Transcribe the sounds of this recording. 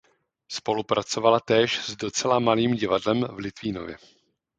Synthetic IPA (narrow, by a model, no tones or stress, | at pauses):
spo̞lupɾat͡so̞valat̪ɛːʃzdo̞t͡sɛlamaliːmɟɪvadlɛmvlɪt̪viːno̰vjɛ̰